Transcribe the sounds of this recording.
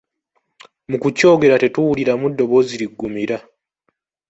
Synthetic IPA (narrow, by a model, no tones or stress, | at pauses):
mukuco̞ːɡe̞ɾate̞tuwuliɾamudːo̞βo̞ziɾiɡːumiɾa